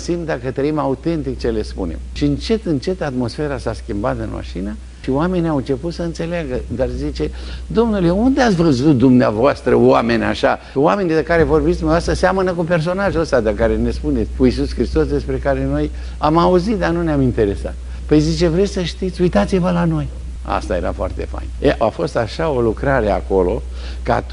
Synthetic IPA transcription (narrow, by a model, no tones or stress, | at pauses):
simt̪d̪akət̪ɾəimaut̪e̞nt̪ik̚t͡ʃe̞le̞spṵne̞̰mʃiɨnt͡ʃe̞t̪ɨnt͡ʃe̞t̪at̪mo̞sfe̞ɾasaskʲimbat̪ɨnma̰ʃina | ʃioame̞niawɨnt͡ʃe̞put̪səɨnt̪se̞laɡəd̪arzit͡ʃe̞d̪o̞mnuleund̪eat̪svəzut̪̚d̪umnea̰voast̪ɾəwame̞nʲa̰ʃa | wame̞nid̪kaɾe̞vo̞rbit̪ʲd̪umnavast̪ɾəseamənəkupe̞rs̬o̞naʒuost̪ad̪əkaɾe̞ne̞spunetsʲkuisuskɾist̪o̞sd̪e̞spɾe̞kaɾe̞no̞j | amauzit̪̚d̪anuneamint̪e̞ɾe̞sa̰t̪̚ | pəjzit͡ʃe̞vɾe̞t̪sʲsəʃt̪it̪sʲujt̪at̪sivəlano̞j | a̰st̪aje̞̰ɾa̰foa̰rt̪e̞̰fa̰jneʔa̰fo̞st̪aʃao̞lukɾaɾe̞a̰ko̞lo̞̰ | ka̰t̪